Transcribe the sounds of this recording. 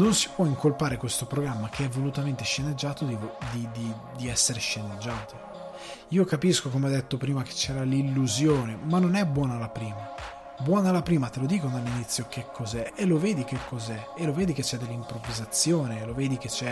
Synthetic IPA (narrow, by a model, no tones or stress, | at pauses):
nonsi̥pwɔiŋkolpaːɾekwest̪opɾoɡɾamːak̟eɛvːolut̪ament̪eʃːened͡ʒːaːt̪od̪id̪id̪i | d̪iɛsːeɾeʃened͡ʒːaːt̪o | iːokapiskokomead̪ːet̪ːopɾiːmake̥t͡ʃːɛːɾalilːuzjoːnemanːonɛbːwɔːnalapɾiːma | bwɔːnalapɾiːmat̪elod̪iːkod̪elːinit̪sːjok̟ekʰːozɛeloveːd̪ik̟ekʰːozɛeloveːd̪iket͡ʃːɛd̪ːelːimpɾovizat̪sːjoːneloveːd̪ik̟et͡ʃːɛ